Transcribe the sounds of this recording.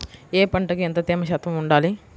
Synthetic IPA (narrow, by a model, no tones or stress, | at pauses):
eːpɐɳʈɐkient̪ɐt̪iːmɐʃɐːt̪ʋɐmuɳɖaːli